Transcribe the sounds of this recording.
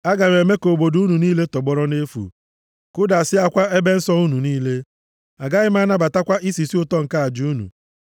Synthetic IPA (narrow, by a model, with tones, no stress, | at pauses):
a˦ɡa˨ɲ˨e˨me˦ko˨bo˨du˦nu˨niː˦le˦tɔ˨ɡ͡bɔ˦ɾɔ˦ne˦fṵ˨ | kʊ˦da˨a˨sɪ˦a˦kʷa˦ʔe˦be˦n̩˦sɔ˦u˦nu˨niː˦le˦ | a˨ɡa˦ɣɪ˦ma˦na˦ba˨ta˦kʷa˦ʔi˦si˨si˦ʊ˦tɔ˦ŋ̩˨ka˦a˨d͡ʒu˦u˦nṵ˨